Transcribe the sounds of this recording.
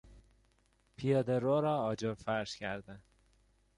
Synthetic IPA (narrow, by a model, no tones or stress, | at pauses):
pʰijɒːd̪eɾoːɾɒːɒːd͡ʒoɾfæɾʃcʰæɾd̪ænd̪̥